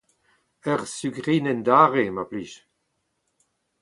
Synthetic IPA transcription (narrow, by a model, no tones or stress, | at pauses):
œʁsyɡʁinɛnd̪aːʁemapliʃ